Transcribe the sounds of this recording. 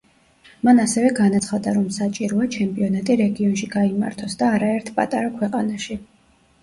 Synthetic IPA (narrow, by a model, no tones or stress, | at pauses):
manasɛvɛɡanat̪sʰχad̪aɾɔmsat͡ʃʼiɾɔat͡ʃʰɛmpʼiɔnat̪ʼiɾɛɡiɔnʃiɡaima̰ɾt̪ʰɔsd̪aːɾaɛɾt̪ʰpʼa̰t̪ʼaɾakʰwɛqʼanaʃi